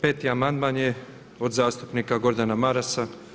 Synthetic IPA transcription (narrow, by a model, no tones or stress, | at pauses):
pe̞ːt̪iamand̪manje̞ | o̞d̪zaːst̪upnikaɡo̞ɾd̪anamaɾasa